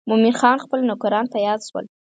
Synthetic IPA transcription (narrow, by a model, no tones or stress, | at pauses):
mʊminxɑnxpəlnʊkuɾɑnt̪ajɑd̪ʃwə̰l